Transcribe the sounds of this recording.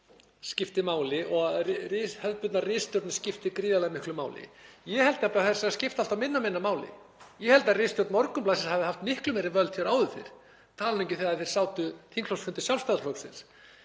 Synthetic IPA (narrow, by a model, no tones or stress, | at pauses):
scɪft̪ɪmaːwlɪʔɔɣarrɪːshœðpʏt̪narɪst̪jɔɾt̪nscɪft̪ɪkɾiːðalaðmɪhklʏmaːwlɪ̰ | jɛhɛlt̪ɪapɾaθɛ̥saascɪft̪al̥t̪awmɪnːamɪnːamaːwlɪ̰ | jɛhɛlt̪arɪːst̪jɔɾt̪nmɔɾkʏmplaːsɪshavðɪhaft̪mɪhklʏmɛːɾɪvœlt̪fjɛɾaːwðʏθeɪ̰ɾ̥ | t̪ʰaːlnẽɲcɪ̥θɛːɣaθejɾ̥saːwt̪ʏθiŋk̪ʰl̥ɔsfʏnt̪ɪsjalvst̪aðfɔwksɪ̰ns